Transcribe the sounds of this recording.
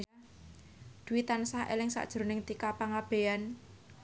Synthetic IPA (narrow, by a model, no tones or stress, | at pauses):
d̪̥uwit̪ansahḛlɪŋsa̰ʔd̥ʒ̥ɾonɪŋt̪ikapaŋab̥e̤jan